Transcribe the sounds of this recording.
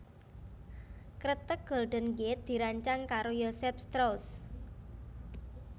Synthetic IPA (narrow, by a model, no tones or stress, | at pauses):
kɾət̪ək̚ɡ̥ɔ̤lɖ̪̥ə̤nɡɪt̪̚d̪̥i̤ɾaɲt͡ʃaŋkaɾojosɛpst̪ɾows